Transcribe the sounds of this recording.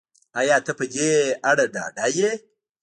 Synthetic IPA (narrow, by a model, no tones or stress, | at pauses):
ʔajatɐpɐɡeʔaɽada̰daje